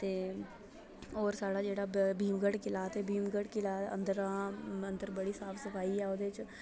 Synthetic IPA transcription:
t̪eː | oːɾsaːɽaːd͡ʒeːɽabʱiːmɡəɽkɪlaːt̪ebʱiːmɡəɽkɪlaːə̰nd̪əɾãːə̃nd̪əɾbəɽisaːpʰsəpʰaːiɛoːd̪et͡ʃ

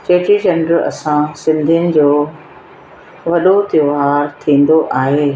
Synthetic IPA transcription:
t͡ɕeːʈid͡ʑɐ̃ɳɖəɾɐ̰sãsɪ̃nd̪ʱijənɪ̆d͡ʑoː | ʋɐɗot̪ɪoɦaːɾt̪ʰĩːn̆d̪oʔaːɦeː

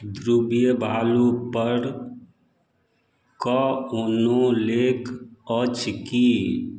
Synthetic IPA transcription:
d̪ɾubijəbʱaːlupəɾ | kɔonõleːkət͡ʃʰki

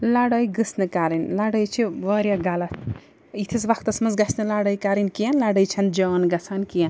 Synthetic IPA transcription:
laɽɐjɡɨsnɨkaɾinlaɽɐjt͡ʃʰiʋɐɾʲjaɡalɐt̪ʰ | it̪ʰisʋakt̪ɐsmɐnzɡɐsnɨlaɽɐjkaɾinkijɐnlaɽɐjt͡ʃʰɐnd͡ʒɔːnɡɐt͡sʰankijɐn

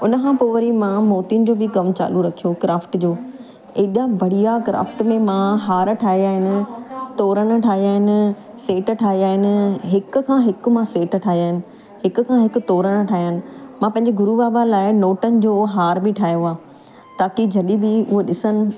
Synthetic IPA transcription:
ʊnəkʰãpoːʋəɾimãmoːt̪iʊnd͡ʑoːbɪkɐmt͡ɕa̰ːluɾɐkʰijokɾaːfʈd͡ʑoː | eːɗijabʱɐɽ̤ijakɾa̰ːfʈmẽmãɦaːɾʈʰaːɦiaːɦɪnɪ̆t̪ɔːɾəɽ̃̆ʈʰaːɦiaːɦɪnɪ̆ | seːʈ̆ʈʰaːɦiaːɦɪnɪ̆ɦɪkʊ̆kʰãːɦɪk̆mãseːʈʈʰaːɦijaːɦɪnɪ̆ | ɦɪkʊ̆kʰãːɦɪkʊ̆t̪ɔːɾəɽ̃ʈʰaːɦijənɪ̆mãːpɐ̃ɦɪ̃ɲd͡ʑeɡʊɾuʋaːbalaːɪnoːʈənɪ̆d͡ʑoːɦaːɾbɪʈʰaːɦjoaː | t̪aːkid͡ʑʱɐɗibɪʊɦoɗɪsənɪ̆

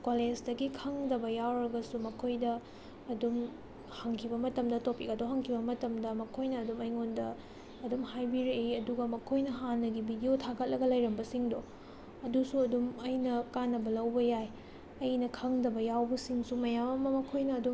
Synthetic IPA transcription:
koled͡ʒdɐɡikʰɐŋdɐbɐjawɾɐɡɐsumɐkʰojdɐː | dum | hɐŋkʰibɐmɐtɐmdɐtopikɡɐdowɦɐŋkʰibɐmɐtɐmdɐmɐkʰojnɐːdumɐjŋondɐː | dumhajbiɾeiɐduɡɐmɐkʰojnɐɦanːɐɡibidijotʰakɐt̚lɐɡɐlɐjɾɐmbɐsiŋdo | ɐdusuɐdumɐjnɐkanːɐbɐlɐwbɐjaj | ɐjnɐkʰɐŋdɐbɐjawbɐsiŋsumɐjamɐmɐmɐkʰojnɐːdum

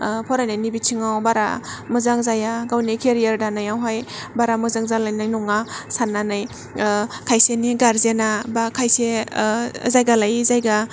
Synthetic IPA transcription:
pʰɔɾajnajnibit͡ʃʰiŋawbaɾa̰mɯzaŋzajaɡawnikʰeɾijaɾdanajawɦajbaɾamɯzaŋzalajnajnɔŋasananɯj | kʰajseniɡaɾzenabakʰajse | zajɡalajzajɡa

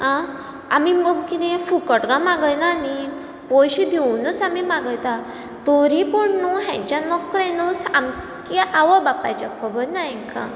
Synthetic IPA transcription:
ɦã | a̰mimkit̪ẽfukəʈɡãmaɡəjnaːni | pojɕid̪ʱewnət͡samimaɡəjt̪a | t̪oɾipɔɳnuɦɛ̰̃ɲt͡ɕanɔkɾẽnusam | kiʔaʋəbapat͡ɕakʰəbəɾnaɛŋkã̰

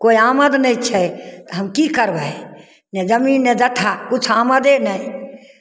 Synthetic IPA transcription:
koːiaːməd̪nəĩt͡ʃʰɛt̪ɦəmkikəɾbə | ned͡ʒəminːɛd͡ʒəʈʰakʊt͡ʃʰaːməd̪enəĩ

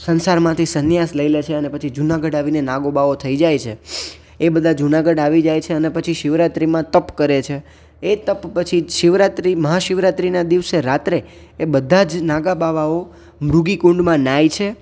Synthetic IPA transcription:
sənsaɾmãt̪ʰisənjasləilet͡ʃʰeənepət͡ʃʰid͡ʒunaɡəɖaʋinenaɡobaʋot̪ʰəid͡ʒajt͡ʃʰe | ebəd̪ʱad͡ʒunaɡəɖaʋid͡ʒajt͡ʃʰeənepət͡ʃʰiʃiʋɾat̪ɾimãt̪əpkəɾet͡ʃʰe | et̪əppət͡ʃʰiʃiʋɾat̪ɾiməɦaʃiʋɾat̪ɾinad̪iʋseɾat̪ɾeː | bəd̪ʱad͡ʒnaɡabaʋao | mɾuɡikũɳɖmãnajt͡ʃʰe

